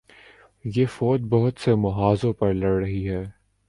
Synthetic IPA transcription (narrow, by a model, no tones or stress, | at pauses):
jeːfoːt̪̚bɐɦʊt̪semɐɦaːzõpɐɾlɐɽːɐɦiɦɛː